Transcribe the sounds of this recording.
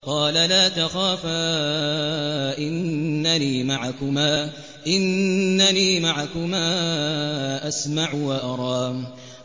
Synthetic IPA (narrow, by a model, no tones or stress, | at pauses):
qɑːlalaːt̪axaːfaː | ʔɪnːaniːmaʕakʊmaː | ʔɪnːaniːmaʕakʊmaː | ʔasmaʕwaʔɑɾˤɑːm